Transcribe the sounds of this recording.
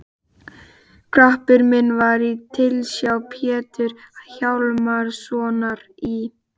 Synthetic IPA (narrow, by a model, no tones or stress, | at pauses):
kʰɾahpɪɾmɪnːvaɾit̪ʰɪlsjawpʰjɛːt̪ʏɾ̥çawlmaɾsɔːnaɾi